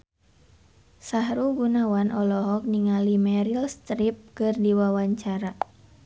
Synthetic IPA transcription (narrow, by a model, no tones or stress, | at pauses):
saɦɾuɡunawanʔɔlɔɦɔk̚niŋalimɛɾilst̪ɾip̚kɨrdiwawaɲt͡ʃaɾa